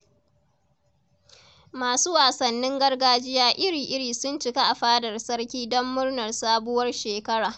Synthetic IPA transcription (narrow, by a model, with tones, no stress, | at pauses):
maː˨suː˦waː˨sɐ˨nːɪ˦ŋɡɐ˦rɡaː˦d͡ʒɪ˦jaː˦ʔɪ˦ɽiː˨ʔɪ˦ɽiː˨sʊ˦nt͡ʃɪ˦ka˦ʔa˨ɸaː˦dɐ˨rsɐ˦ɽkʲiː˦dɔ˦mːʊ˦rnɐ˨rsaː˦bʊ˦wɐ˦rʃeː˨kɐ˦ɽaː˨ʔ